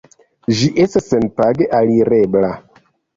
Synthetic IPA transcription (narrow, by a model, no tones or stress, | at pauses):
ʒiʔestasːenpaɡeʔaliɾe̞bla